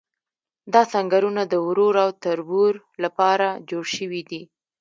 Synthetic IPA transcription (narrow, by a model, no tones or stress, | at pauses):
d̪ɑsaŋɡaɾunad̪əwɾoɾawt̪aɾbuɾ | lapɑɾad͡ʒoɽʃəwid̪i